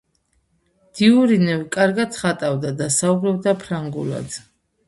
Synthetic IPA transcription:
d̪̥iuɾinɛvkʼaɾɡat̪sχat̪ʼavd̪ad̪asaubɾɔbd̪apʰɾaŋɡṵla̰d̪

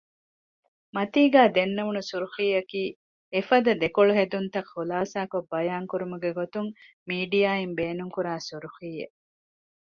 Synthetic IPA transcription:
mɐt̪iːɡæːd̪enːɐʋunusuɾuxiːɐkiː | efɐd̪ɐd̪ekoɭuɦed̪unt̪ɐxulaːsaːkobːɐjaːŋkuɾumuɡeɡot̪uŋ | miːɖijaːimbeːnuŋkuɾaːsuɾuxiːḛ

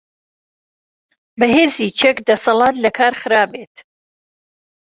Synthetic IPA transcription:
bɐɦeːzit͡ʃʰɛkd̪ɐsɐlˠɑːt̪lɐkʰaːɾxɨɾaːbeːt̪

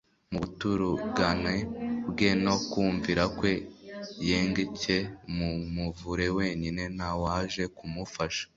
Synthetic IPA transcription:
muβutuɾuɡanebɡeno̞kuːɱviɾakwe̞jeːŋɡecemumuvuɾe̞we̞ːɲine̞nawaʒe̞kumufaʃḁ

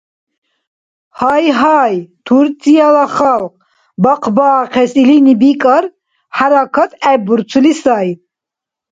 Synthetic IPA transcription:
hajɦajt̪ʰuɾt͡sʼialaχalq | bɑqʰbaːqʰɛsilinibikʼaɾ | haɾakʰat̪ʰʼɛbuɾt͡sʰulisaj

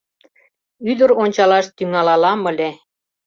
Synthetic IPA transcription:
yd̪ə̆ɾonʲt͡ɕɑlɑʃt̪yŋɑlɑlɑmɤ̆lʲe

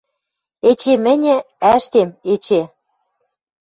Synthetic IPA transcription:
et͡ɕemɘ̆nʲɘ̆ | æʃt̪emet͡ɕe

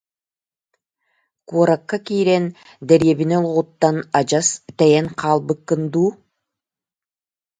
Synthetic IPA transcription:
kuɔɾakːakiːɾɛn | d̪ɛɾjɛβinɛlˠʁut̪ːanad͡ʑast̪ɛjɛnqʰɑːlˠbɯkːɯnd̪uː

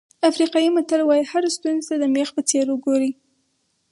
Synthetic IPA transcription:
afɾiqɑjimʊt̪alwɑjihaɾast̪unzet̪ad̪əmexpət͡seɾʊɡoɾi

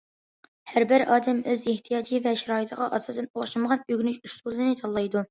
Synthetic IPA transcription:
hæɾbɪɾɑːd̪ɛmøzeht̪ʰijɑːd͡ʒivɛʃɛɾɑːit̪ʰəʁɑʔɑsɑsɛnoχʃɨməʁɑnyɡʲnyʃust̪ulˠɨnɪt̪ʰɑlˠːɑjd̪u

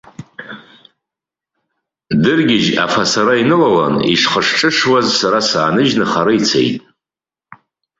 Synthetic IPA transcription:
dɨrɡʲɪʒa̰fasaɾainɨlala̰nḭʂχəʂʈ͡ʂʼɨʂwazsaɾasaːnɨʒnɨχaɾɨit͡sʰḛjtʼ

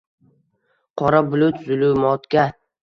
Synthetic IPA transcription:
qʰɒɾabʊlʊt̪zʊlʊmɒt̪kʲa

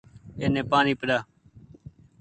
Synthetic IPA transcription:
eːnẽːpaːniːpəɗaː

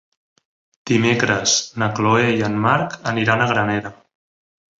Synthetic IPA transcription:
d̪̥imekɾəznəkloejənmaɾkəniɾanəɣ̞ɾənɛɾə

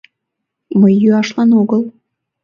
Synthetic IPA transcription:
məjːyɑʃlɑnoɣəl

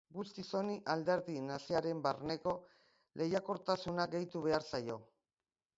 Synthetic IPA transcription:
ɡust̪iso̞niʔald̪e̞ɾðinasiaɾe̞mbarne̞ko̞ | lʔe̞jako̞ɾt̪asunaɡe̞jt̪uβ̞e̞aɾsajo̞

